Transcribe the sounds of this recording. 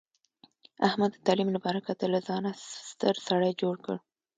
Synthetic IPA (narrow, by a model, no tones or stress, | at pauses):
ahmad̪ːət̪ɑlimlapɑɾakat̪əlazɑnast̪əɾsaɽajd͡ʒoɽkə̰ɽ